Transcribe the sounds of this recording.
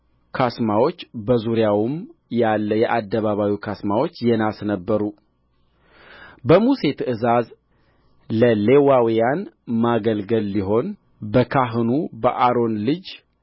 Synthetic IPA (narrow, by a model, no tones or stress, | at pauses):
kʰasmawo̞t͡ʃːbəzuɾjawumjalːəjɛʔad̪ːəβaβawikʰasmawo̞t͡ʃːjɛnasnəbːəɾu | bəmuse̞t̪ʰɨʔɨzaz | ləle̞wawijanmaɡəlɡəlːiɦo̞n | bəkʰaɦɨnubə̰ʔaɾo̞nlɨd͡ʒ